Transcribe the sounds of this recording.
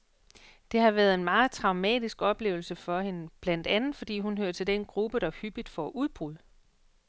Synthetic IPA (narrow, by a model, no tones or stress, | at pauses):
d̥e̝hɑ̈ʋæːɐðˠe̝nmɑ̈ːð̞̩ˠt͡sʰʁɑ̈ʊmɛ̰ːd̥isɡ̥ɒ̽b̥le̝̰ːʊl̩səfɒ̽he̝nəb̥læn̰d̥ænð̩ˠfɒ̽d̥ḭːɦunɦøɐt͡sʰe̝ld̥enɡ̥ʁub̥əɾ̥ɑ̈hyb̥id̥fɒʔuðˠb̥ʁuð̰ˠə